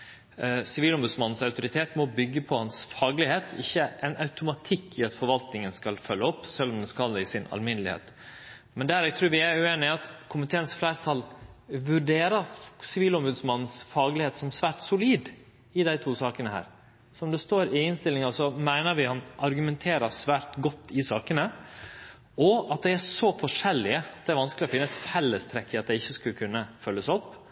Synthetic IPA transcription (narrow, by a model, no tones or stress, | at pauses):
sɪʋiːlɔmbʉd̪smɑnːn̩sɑʉt̪ʊɾɪt̪ʰeːt̪mɔbʏɡːəpʰɔhɑnsfɑːɡlɪheːt̪ʰɪ̰çːəʔɛnɑʉt̪ʊmɑt̪ʰɪkʰːɪɑt̪fɔɾʋɑlt̪nɪŋənskɑlfœlːəɔpːsɛlːɔmd̪ɛskɑld̪ɛɪsɪnɑ̰lmɪnəlɪhḛːt̪ | mɛnd̪æːɾɛɡt̪ʰɾʉːɾʋɪæɾʉeːnɪɑt̪kʰʊmɪt̪ʰeːənsflæːɾt̪ʰɑlʋʉɖeːɾəsɪʋiːlɔmbʉːd̪smɑnːn̩sfɑːɡlɪheːt̪sɔmsʋæːɾʈsʊliːd̪ | ɪd̪æɪt̪ʰuːsɑːkənəhæ̰ːɾ | sɔɔmd̪ɛst̪oːɾɪɪnst̪ɪlːɪŋɑsɔmæɪnəɾʋɪhɑnʔɑɾɡʉmɛnt̪ʰeːɾəsʋæːɾt̪ɡɔt̪ʰːɪsɑːkənə | ɔɑt̪̚d̪ɛɪæʂɔfɔʂɛlːɪəɑt̪d̪ɛæɾʋɑnskəlɪɔfɪnːəɛt̪fɛlːəst̪ʰɾɛkːəɑt̪̚d̪æɪɪçːəskʉlkʰʉnːəfœlːəsɔpː